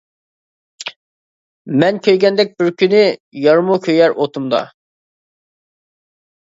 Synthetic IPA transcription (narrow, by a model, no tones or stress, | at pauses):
mɛnkʲʰøjɡʲɛnd̪ɛk̚ʲbɪɾkʲynɪjɑɾmukʲʰøjɛɾʔot̪ʰumd̪ɑ̰